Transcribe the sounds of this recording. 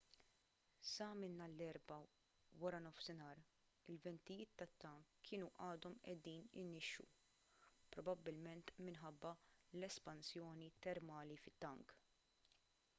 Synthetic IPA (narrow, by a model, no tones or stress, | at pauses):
sɐmɪnːɐlːɛɾbɐ | wɐɾɐnɔfsɪnɐːɾ | ɪlvɛnt̪ɪjɪːt̪ːɐt̪ːɐŋkʰːɪːnuʔɐːd̪ɔmʔɛ̰d̪iːnɪ̰nːɪʃːṵ | pɾɔbɐbːɪlmɛnt̪mɪnħɐbːɐlɛspɐnsjɔːnit̪ɛɾmɐːlifɪt̪ːɐŋk